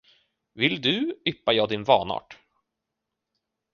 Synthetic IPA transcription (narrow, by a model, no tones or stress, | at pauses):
vɪld̪ɵʏpːajɑːd̪ɪnvɑːnɑ̰ːʈ